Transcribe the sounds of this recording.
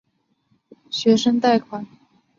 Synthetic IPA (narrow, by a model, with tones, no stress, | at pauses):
ɕɥɛ˧˥ʂɤ˥ŋt̪a˥˩ɪkʰwa˨˩˦n